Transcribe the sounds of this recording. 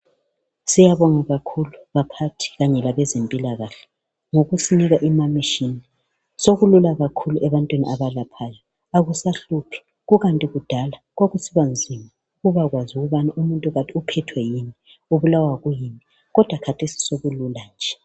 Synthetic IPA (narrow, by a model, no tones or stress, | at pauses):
sijaβɔŋaɣakʰuluβapʰatʰi̥ɣaɲɛlaβɛzempʼilaɣaɬɛ̥ | ŋoɣusiniɣaʔimamiʃini | soɣululaɣakʰuluʔɛβantʼwiniʔaβalapʰajɔ | aɣusaɬupʰi̥ | ɣuɣantʼiɣud̥ʱala | ɣoɣusiβand͡zʱima | ɣuβaɣwazuɣuβanaʔumuntʼuɣatʼiupʰɛtʰwɛjini | uβulawaɣujini | ɣɔd̥ʱwakʰatʰesi̥soɣululand͡ʒʱɛ